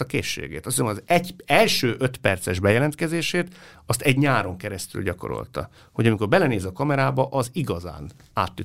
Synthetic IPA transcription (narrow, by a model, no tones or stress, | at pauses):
ɒkḛːʃːḛːɡḛːt̪ɒsisɛmjzɛɟɛlʃøːʔøt̪pɛrt̪sɛʒbɛjɛlɛnt̪kɛzeːʃeːt̪ɒst̪ɛɟɲaːɾo̞ŋkɛɾɛst̪y̰lɟɒko̞̰ɾo̰lt̪ɒ̰ | ho̞ɟɒmiko̞rbɛlɛneːzɒkɒmɛɾaːbɒʔɒziɡɒza̰ːn | a̰ːt̪ːy